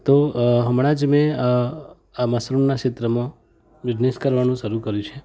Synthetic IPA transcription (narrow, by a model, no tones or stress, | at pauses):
t̪oɦəmɽ̃ad͡ʒmẽ | aməsɾunːakʃet̪ɾəmã | ʋɪd͡ʒneskəɾʋanũʃəɾũkəɾjũt͡ʃʰe